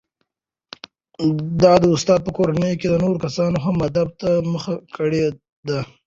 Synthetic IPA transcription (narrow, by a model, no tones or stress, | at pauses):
d̪ɑd̪əʊst̪ɑd̪̚pəkoɾanəjoked̪ənoɾokasɑnoɦamːad̪ab̚t̪aməxakəɽe | d̪a